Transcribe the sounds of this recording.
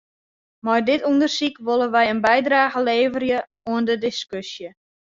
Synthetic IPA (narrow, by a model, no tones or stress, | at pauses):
mɔjdɪtundərsikʋolˠəʋɛjənbɛjdraːɣəleːvərjə | uəndədɪskøsjə